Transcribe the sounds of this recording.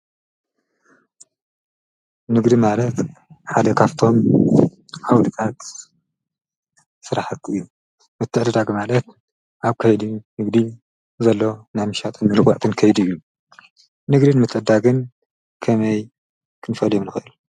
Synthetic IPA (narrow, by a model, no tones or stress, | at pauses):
nɨɡd̪imalɐt̪ħad̪ɐkʰaβt̪ʰo̞m | ʔawlɨt̪ʰat̪ | sɨɾaħat̪ɨjːu | mɨt̪ʰːɨʕd̪ɨd̪aɡmalɐt̪ | ʔaβkʰɐjd̪unɨɡd̪i | zɐlːo̞najmɨʃat̪ʼɨnmɨlɨkʼaʕt̪ʰɨnkʰɐjd̪uɨjːu | nɨɡd̪ɨnmɨt̪ʰʼːɨd̪aɡɨn | kʰɐmɐj | kʰɨnfɐljomnɨxɨʔɨlu